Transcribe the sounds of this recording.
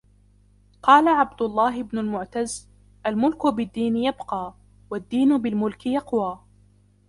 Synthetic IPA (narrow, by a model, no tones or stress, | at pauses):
qɑːlaʕabd̪ʊlˤːɑːɦɪbnʊlmʊʕt̪az | ʔalmʊlkʊbɪd̪ːiːnɪjabqɑː | wad̪ːiːnʊbɪlmʊlkɪjɑqwaː